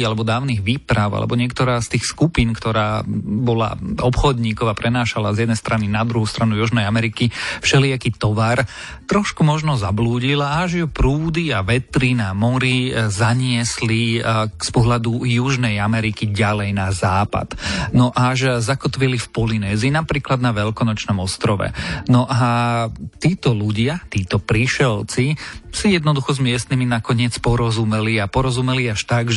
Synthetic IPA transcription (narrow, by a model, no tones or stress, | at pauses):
alɛbɔd̪aːʊniɣʋiːpɾaʊa̰lɛ̰bɔɲɪɛkt̪ɔɾaːst̪iːxskupinkt̪ɔɾaːbɔla̰ɔpxɔd̪ɲiːkɔʊapɾɛnaːʃalazjɛd̪nɛjst̪ɾʔaninad̪ɾuɦuːst̪ɾanujuʒnɛjamɛɾikifʃɛliakiːt̪ɔʋaɾ | t̪ɾɔʃkumɔʒnɔzabluːɟilaʒjupɾuːd̪iaʋɛt̪ɾinamɔɾizaɲɪɛslispɔɦlad̪ujuʒnɛjamɛɾikiɟalɛjnazaːpa̰d̪̥nɔʔaʒzakɔt̪ʋilifpɔlinɛːzinapɾiːklad̪naʋɛlkɔnɔt͡ʃnɔmɔst̪ɾɔʋɛ̰nɔʔa | t̪iːt̪ɔluɟɪat̪iːt̪ɔpɾiʃɛlt͡sisijɛd̪nɔd̪uxɔzmɪɛst̪niminakɔɲɪɛt͡spɔɾɔzumɛliapɔɾɔzumɛliaʃt̪aɡʒ